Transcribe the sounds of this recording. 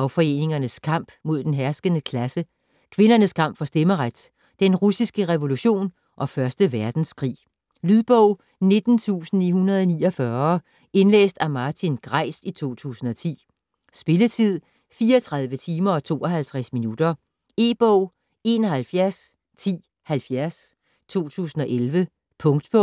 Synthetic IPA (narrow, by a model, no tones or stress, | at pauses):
ɑ̈ʊfɒ̽e̝̰ːne̝ŋɐnəskʰɑ̈m̰b̥mo̝ð̞̰ˠd̥enɦæɐsɡ̥ənəkʰlæsə | kʰʋe̝nɐnəskʰɑ̈m̰b̥fɒ̽sd̥eməʁad̥ | d̥enʁusisɡ̥əʁɛʋo̝luɕo̝̰ːn | ʔɒ̽fɶɐsd̥əʋæɐd̥n̩skʰʁḭː | lyðˠb̥ɔʊ | ne̝d̥n̩t͡sʰṵːsn̩iːɦunɐð̞ˠɒniːɒ̽fɶɐ | e̝nlḛːsd̥æmɑ̈ːt͡sʰinɡ̥ʁɑ̈ɪ̰sit͡sʰo̝̰ːt͡sʰṵːsn̩ɒ̽t͡sʰḭː | sb̥e̝lət͡sʰið̞̰ˠ | fiːɐɒt͡sʰʁɑ̈ð̞ˠʋət͡sʰiːmɐɒ̽t͡sʰo̝̰ːɒ̽ɦælt͡sʰʁasminud̥ɐ | e̝ːb̥ɔʊ̰ | e̝ːnɒ̽hælfjæɐs | t͡sʰḭː | hælfjæɐs | t͡sʰo̝̰ːt͡sʰṵːsn̩ɒ̽ʔelʋə | pʰɔ̽ŋd̥b̥ʰɔ